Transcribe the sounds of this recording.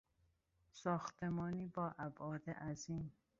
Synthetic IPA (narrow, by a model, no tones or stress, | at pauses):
sɒːxt̪ʰemɒːniːbɒːʔæbɒːd̪ḛʔæziːm